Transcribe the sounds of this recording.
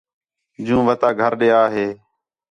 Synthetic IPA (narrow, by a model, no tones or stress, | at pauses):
d͡ʒũːʋət̪aːɡʱəɾɗeːaːɦeː